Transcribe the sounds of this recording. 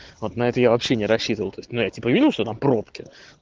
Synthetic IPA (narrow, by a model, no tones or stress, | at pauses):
vo̞t̪nɐɛt̪əjavɐpɕːenʲɪɾɐɕːit̪əvəlˠt̪oɪsʲtʲnujatʲipəvʲidʲɪlˠʂt̪ot̪ampɾopkʲɪ